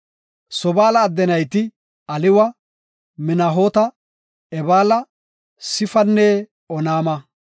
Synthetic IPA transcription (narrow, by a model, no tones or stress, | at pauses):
sɔbaːlɐːd̪ːɛnɐjt̪ɪ | ɐlɪwɐ | mɪnɐɦoːt̪ɐ | ɛbaːlɐ | sɪfɐnːɛ | ɔnaːmɐ